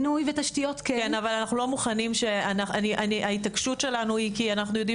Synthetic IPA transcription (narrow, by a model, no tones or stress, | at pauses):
nuivet̪aʃt̪ijo̞t̪kekenavalanaχnulo̞muχanimʃe̞anaχaniʔaniʔaitakʃutʃe̞lanuikianaχnujo̞d̪i